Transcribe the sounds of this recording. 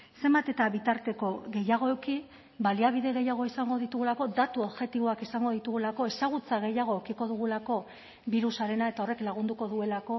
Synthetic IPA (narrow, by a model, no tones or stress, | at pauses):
se̞mbat̪e̞t̪aβit̪aɾt̪e̞ko̞ɣe̞jaɣ̞o̞eki | baliaβ̞iðe̞ɣe̞jaɣ̞o̞isaŋɡo̞ðit̪uɣ̞ulako̞d̪at̪uoβʝe̞t̪iβo̞akisaŋɡo̞ðit̪uɣ̞ulako̞e̞saɣ̞ut͡saɣ̞e̞jaɣ̞oekiko̞ðuɣ̞ulako̞ | βiɾusaɾe̞nae̞t̪ao̞re̞klaɣ̞und̪uko̞ðue̞lako̞